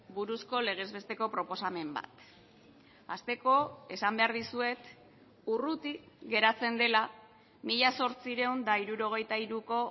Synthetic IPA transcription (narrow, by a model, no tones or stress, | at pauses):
buɾusko̞le̞ɣ̞e̞zβe̞st̪e̞ko̞pɾo̞po̞same̞mba̰t̪ | ast̪e̞ko̞e̞sambe̞aɾðisue̞t̪ | urut̪i | ɣe̞ɾat͡se̞nd̪e̞la | miʎaso̞ɾt͡siɾe̞und̪aiɾuɾo̞ɣ̞e̞jt̪aiɾuko̞